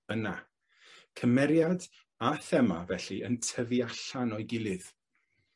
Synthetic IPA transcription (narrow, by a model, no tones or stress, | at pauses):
əna | kʰəmɛɾjad | aθɛma̰vɛɬiʔəntʰəviaɬanɔɨɡɪlˠɨð̥